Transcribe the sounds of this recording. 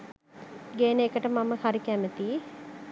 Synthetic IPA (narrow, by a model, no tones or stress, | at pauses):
ɡeːnekəʈəmaməhaɾikæmət̪i